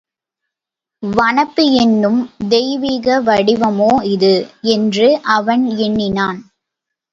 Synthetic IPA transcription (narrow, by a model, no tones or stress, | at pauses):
ʋɐɳɐpːɯɛnːɯmd̪ɛjʋiːɣɐʋɐɽɪʋɐmoːɪðɯɛndrɯʔɐʋɐnɛɳːɪnaːn